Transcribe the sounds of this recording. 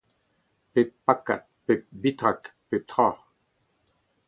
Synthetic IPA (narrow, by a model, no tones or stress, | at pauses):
pepːakːa̰ | pebit̪ʁakpet̪χa